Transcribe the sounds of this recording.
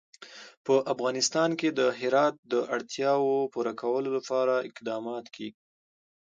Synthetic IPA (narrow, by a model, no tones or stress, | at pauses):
pəʔafɣɑnɪst̪ɑnked̪əɦɪɾɑt̪̚d̪əʔaɽt̪jɑwopuɾakʰawəlolapɑɾaɪ̰qd̪ɑmɑt̪keɡ